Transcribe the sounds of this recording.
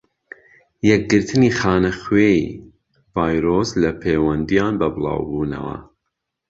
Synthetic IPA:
jɛk̚ɡɨɾt̪ʰɨniːxɑːnɐxweḭ | vɑːjɾoslɐpʰeːwɐnd̪ijɑːnbɐbɨlˠɑ̰ːwbuːnɐ̰wɐ̰

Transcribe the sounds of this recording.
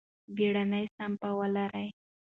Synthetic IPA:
beɽanajsampawalaɾaj

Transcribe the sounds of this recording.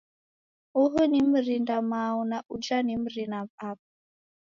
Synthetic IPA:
uɦənim̩ɾindamaunaʔud͡ʒanim̩ɾinaβap̚

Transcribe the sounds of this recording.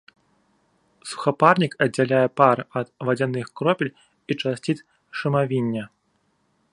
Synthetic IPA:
su̥xaparnʲikɐdd͡zʲːalʲajɛparɐt̪vad͡zʲanɨxkɾɔpʲilʲ | it͡ʂasʲt͡sʲit̪ | ʂɨmavʲinʲːɐ

